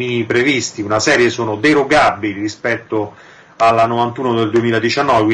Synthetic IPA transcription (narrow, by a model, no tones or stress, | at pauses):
inipɾevist̪iunasɛːɾjesoːnod̪eɾoɡabilirispɛt̪ːo | alːanovant̪uːnod̪eld̪uemiːlad̪it͡ʃanːɔːvekwi